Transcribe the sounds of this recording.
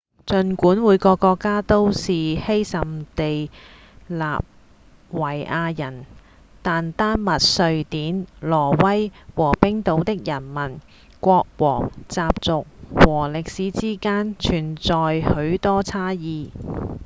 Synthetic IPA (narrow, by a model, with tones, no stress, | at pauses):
t͡ʃɵ˧nkuː˨˥nwuː˨˥jkɔː˧kːɔː˧kːaː˥t̪o˥wsiː˨he˥jsɐ˨mt̪e˨j | la̰ː˨p̚ | wɐ˨˩jʔaː˧jɐ˨˩n | t̪aː˨nt̪aː˥nmɐ˨t̚sɵ˧ɥt̪iː˨˥nlɔː˨˩wɐ˥jwɔː˨˩pɪ˥ŋt̪o˨˥wt̪ɪ˥k̚jɐ˨˩nmɐ˨˩n | kʷɔː˧k̚wɔː˨˩ŋt͡saː˧p̚t͡sʊ˨k̚wɔː˨˩lɪ˨k̚siː˨˥t͡siː˥kaː˥nt͡ʃʰyː˨˩nt͡sɔː˨jhɵ˨˥ɥt̪ɔː˥t͡sʰaː˥jiː˨˧